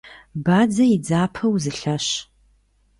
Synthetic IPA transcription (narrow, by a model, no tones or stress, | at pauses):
baːd͡zɐjid͡zaːpʰɐwzɨɬɐɕ